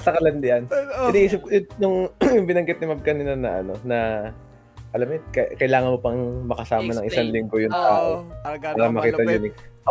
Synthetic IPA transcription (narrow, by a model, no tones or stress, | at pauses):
sɐkɐlɐnd̪ɪʔɐnɪd̪ɪʔiːsɪp̚kojʊjʊŋjʊŋbɪnɐŋɡɪt̪̚nɪmɐb̚kɐninɐnɐʔɐno̞nɐ | ʔɐlɐmɛkɐkɐjlaːŋɐnmo̞pɐŋmɐkɐsaːmɐnɐŋʔɪsaŋlɪŋɡo̞jʊŋt̪aːʔo̞paːɾɐmɐkiːt̪ɐjunɪ